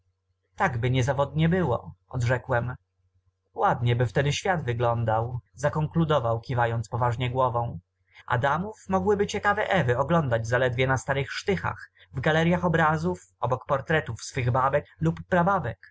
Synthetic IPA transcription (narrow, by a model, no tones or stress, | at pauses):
t̪aɡbɘɲɛzavɔd̪ɲɛbɘwɔ̰ɔ̰d̪ʐɛkwɛm | wad̪ɲɛbɘft̪ɛd̪ɘɕfʲjad̪vɘɡlɔnd̪awzakɔŋklud̪ɔvawkʲivajɔnt̪spɔvaʐɲɛɡwɔvɔ̃w̃ | ʔa̰d̪amufmɔɡwɘbɘt͡ɕɛkavɛʔɛvɘɔɡlɔnd̪ad͡ʑzalɛd̪vʲjɛnast̪aɾɘxʂt̪ɘxa̰x | vɡalɛɾʲjaxɔbɾazufɔbɔkpɔɾt̪ɾɛt̪ufsfɘɣbabɛklupːɾababɛk